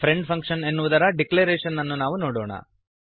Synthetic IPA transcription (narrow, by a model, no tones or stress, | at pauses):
pʰɾeɳɖpʰɐŋkʂɐne̞nːuʋud̪ɐɾɐɖikleːɾeːʂɐnːɐnːunaːʋunoːɽɔːɳɐ̰